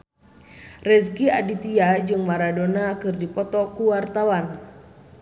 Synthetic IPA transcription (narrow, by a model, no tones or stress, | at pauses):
rɛsɡiadit̪iad͡ʒɨŋmaɾadonakɨrdipɔt̪ɔkuwart̪awan